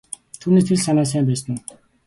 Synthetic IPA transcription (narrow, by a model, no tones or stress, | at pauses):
t̪ʰuːneːst̪ʰeɮsanaːs̬æːmpæːsə̆n